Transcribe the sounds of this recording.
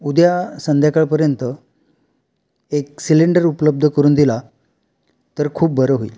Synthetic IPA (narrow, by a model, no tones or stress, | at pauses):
ud̪jasənd̪ʱjakəɭpəɾjənt̪ə | eksiliɳɖəɾupləb̚d̪ʱəkəɾuːnd̪ila | t̪əɾkʰuːp̚bʱəɾəɦoḭl